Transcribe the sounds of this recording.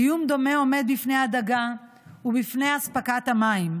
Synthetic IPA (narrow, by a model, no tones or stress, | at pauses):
ijumd̪omeomɛd̪̚bifnejad̪ɐɡa | ubifnejaspɐkat̪ɐmajm